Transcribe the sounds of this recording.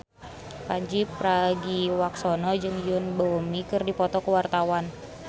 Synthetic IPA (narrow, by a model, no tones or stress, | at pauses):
paɲd͡ʒipɾaɡiwak̚sɔnɔd͡ʒɨŋjʊnbɔmikɨrdipɔt̪ɔkəwart̪awan